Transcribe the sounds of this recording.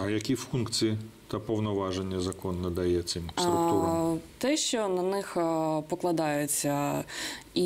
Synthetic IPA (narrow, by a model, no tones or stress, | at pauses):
ɐjɐkʲifunk̪t͡s̪ʲijit̪ɐpɔwnɔʋɑʒenʲːɐzɐkɔnːɐd̪ɐjɛt̪sɪmɾtt̪ɛʃt͡ʃɔnɐnɪxpɔklˠɐd̪ɑjʊt͡sʲːɐ | i